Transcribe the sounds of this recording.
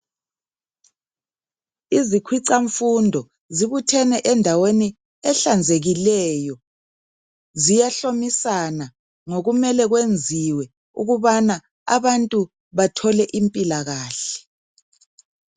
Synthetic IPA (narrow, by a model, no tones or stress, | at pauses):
izikʰwiǀaɱfundʱɔ | ziβutʰɛnɛʔɛndʱaweni | ɛɬand͡zʱeɣilɛːjɔ | zijaɬomisana | ŋoɣumɛlɛɣwend͡zʱiwɛ | uɣuβana | a̰βantʼu | βatʰɔlɛʔimpʼilaɣaːɬɛ̥